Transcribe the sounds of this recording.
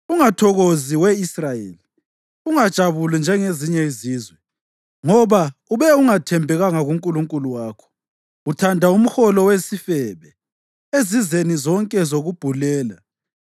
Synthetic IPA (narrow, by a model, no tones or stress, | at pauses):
uŋatʰɔɣoziwɛisrajḛli | uŋad̥ʒ̥ʱaβulind͡ʒʱɛŋeziɲɛziːzwɛ | ŋɔβauβɛuŋatʰɛmbʱɛɣaŋaɣuŋkʼuluŋkʼuluwaːkʰɔ̥ | utʰandʱaum̩xɔlɔwesifɛβɛ | ezizenizɔŋkʼɛzoɣub̥ʱulɛːla